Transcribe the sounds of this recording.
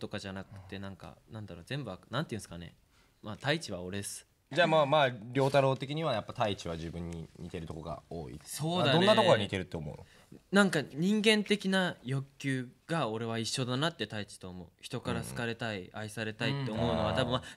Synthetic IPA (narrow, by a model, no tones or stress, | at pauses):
t̪o̞kaʑanakɯ̟̥t̪ːe̞nãŋka̰nãnd̪aɾo̞ːzẽ̞mbɯ̟βanãnt̪e̞iɯ̟̃sɨ̥kane̞̰ | mat̪ait͡ɕiβao̞ɾe̞d̪esɨ̥ | d͡ʑamamaɾʲo̞ːt̪aɾo̞ːt̪e̞kʲiɲ̟iβajapːat̪ait͡ɕiβaʑɨbɯ̟̃ɲ̟ːḭɲ̟ʲit̪e̞ɾɯ̟t̪o̞koɡa̰o̰ːḭeso̞ːd̪aõnːat̪okoɾaɲit̪e̞ɾɯ̟t̪ːeomo̞̰ɯ̟nok | nãŋkaɲ̟ĩŋɡẽ̞nt̪e̞kʲinajo̞kʲːɨːɡ̥ao̞ɾe̞β̞aiɕːo̞d̪anat̪ːe̞t̪ait͡ɕi̥t̪o̞ːmo̞ɯçi̥t̪o̞kaɾasɨ̥kaɾe̞t̪aiaisaɾe̞t̪ait̪ːe̞ommo̞ɯno̞βat̪abɯ̟̃ma